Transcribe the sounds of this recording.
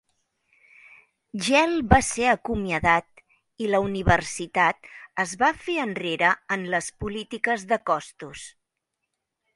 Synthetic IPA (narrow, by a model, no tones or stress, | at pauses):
ʒɛlˠbaseəkumiəðat̪̚ | iləuniβərsit̪at̪̚əzβafeənreɾəənləspulit̪ikəzðəkɔst̪us